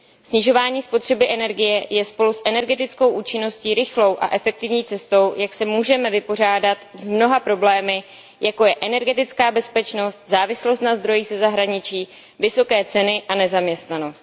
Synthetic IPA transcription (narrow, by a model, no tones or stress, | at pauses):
sɲɪʒo̞vaːɲiːspo̞t̪r̝̥ɛbɪʔɛnɛɾɡɪjɛjɛspo̞lusʔɛnɛɾɡɛt̪ɪt͡sko̞wʔuːt͡ʃɪno̞sciːɾɪxlo̞wʔa̰ʔɛfɛk̚t̪ɪvɲiːt͡sɛst̪o̞wjaksɛmuːʒɛmɛvɪpo̞r̝aːdat̪zmno̞ɦapɾo̞blɛːmɪ | jako̞jɛʔɛnɛɾɡɛt̪ɪt͡skaːbɛspɛt͡ʃno̞st̪̚zaːvɪslo̞st̪nazd̪ɾo̞jiːxsɛzaɦɾaɲɪt͡ʃiː | vɪso̞kɛːt͡sɛnɪʔanɛzamɲɛst̪nano̞st̪